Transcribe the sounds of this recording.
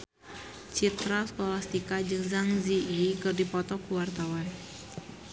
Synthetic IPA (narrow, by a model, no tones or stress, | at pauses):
t͡ʃit̪ɾaskolast̪ikad͡ʒɨŋzaŋziikɨrdipɔt̪ɔkuwart̪awan